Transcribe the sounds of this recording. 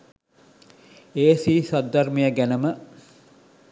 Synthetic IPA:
eːsiːsad̪ːarmijəɡænəmə

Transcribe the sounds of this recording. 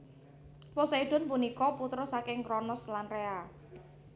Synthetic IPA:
pɔsaiɖ̥ɔ̤npunikɔput̪ɾɔsakɪŋkɾɔnɔslanrea

